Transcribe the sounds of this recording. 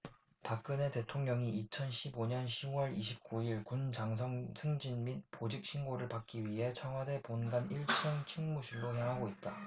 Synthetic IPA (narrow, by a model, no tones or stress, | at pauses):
pak̚k͈ɯne̞te̞tʰoŋɲʌŋiit͡ɕʰʌnɕʰiboɲʌnɕʰiwʌɾiɕʰip̚k͈uiɭkund͡ʑaŋs̬ʰʌŋsʰɯŋd͡ʑinmit̚pod͡ʑik̚ɕʰinɡoɾɯɭpak̚k͈iɥiɦe̞t͡ɕʰʌŋwade̞ponɡaniɭt͡ɕʰʌŋt͡ɕʰiŋmuɕʰiɭːojaŋɦaɡoit̚t͈a